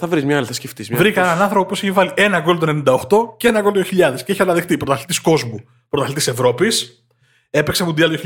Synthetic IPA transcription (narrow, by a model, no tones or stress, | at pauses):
θɐvɾizmɲɐɐlθɐsceft̪izmvɾikɐɐenɐnɐnθɾopopioseçivɐliʔe̞nɐko̞lt̪oenenind̪ɐoxt̪o̞cee̞nɐkolt̪joçiʎɐðesceeçiɐnɐðext̪ipɾot̪ɐθlit̪isko̞zmu | pɾot̪ɐθlit̪ise̞vɾo̞pis | e̞peksemud̪iɐljoçi